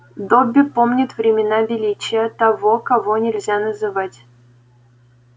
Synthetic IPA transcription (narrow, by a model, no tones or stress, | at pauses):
d̪obʲːɪpomnʲɪt̪vɾʲɪmʲɪnabʲɪlʲit͡ɕɪjət̪ɐvokɐvonʲɪlʲzʲanəzɨvatʲ